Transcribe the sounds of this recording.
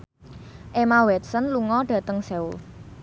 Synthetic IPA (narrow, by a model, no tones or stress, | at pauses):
ʔemawɛt̪̚sənluŋɔɖ̥ä̤t̪əŋseṵl